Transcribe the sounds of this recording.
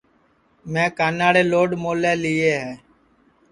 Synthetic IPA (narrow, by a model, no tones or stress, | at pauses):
mɛ̃ːkaːnaːɽeːloːɖmoːleːliːeːɦɛː